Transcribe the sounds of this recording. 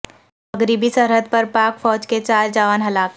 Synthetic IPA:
ɐɡɾiːbisəɾɦəd̪̚pɐɾpaːkfɔːd͡ʒket͡ʃaːɾd͡ʒaːʋənɦɐlaːk

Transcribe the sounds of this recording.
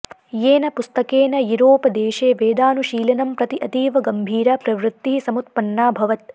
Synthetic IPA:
jeːnɐpust̪ɐkeːnɐjuɾoːpɐd̪eːʃeːʋeːd̪aːnuʃiːlɐnɐmpɾɐt̪iʔɐt̪iːʋɐɡɐmbʱiːɾɐpɾɐʋɾut̪ːiɦisɐmut̪̚pɐnːaːbʱɐʋɐt̪̚

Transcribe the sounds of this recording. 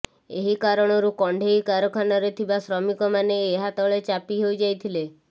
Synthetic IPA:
eɦikaɾɔɽ̃ɔɾukɔɳɖʱeikaɾɔkʰanɔɾet̪ʰibasɾɔmikɔmaneːɦat̪ɔɭet͡ʃapiɦojd͡ʒajt̪ʰile

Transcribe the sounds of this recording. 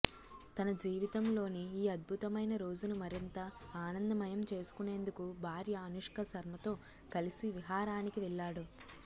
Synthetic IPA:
t̪ɐnɐd͡ʒiːʋit̪ɐmlo̞ːniiːɐd̪̚bʱut̪ɐmɐjnɐɾo̞ːd͡ʒunumɐɾint̪ɐaːnɐnd̪ɐmɐjɐmt͡ʃe̞ːsu̥kune̞ːnd̪ukubʱaːɾjɐːnuʂkɐsɐɾmɐt̪o̞ː | kɐlisiʋiɦaːɾaːnikiʋɛɭːaːɽu

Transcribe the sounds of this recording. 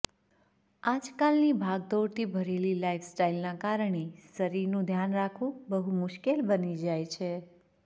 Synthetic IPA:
ad͡ʒkalnibʱaɡ̚d̪oɾt̪ʰibʱəɾelilaifsʈailnakaɾəɳesəɾiɾnũd̪ʱjanɾakʰʋũbəɦumʊʃkelbənid͡ʒajt͡ʃʰe

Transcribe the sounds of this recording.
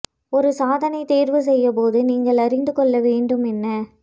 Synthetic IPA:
ɔɾɯsaːðɐnɐɪt̪eːɾʋɯsɛjːɐp̬oːðɯniːŋɡɐɭɐɾɪnd̪ɯkɔɭːɐʋeːɳɖɯmɛnːɐ

